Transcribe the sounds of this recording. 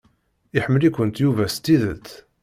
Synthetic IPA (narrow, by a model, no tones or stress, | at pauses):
iħəmːəlikʷənt̪juvæst̪ːiðə̰t̪ː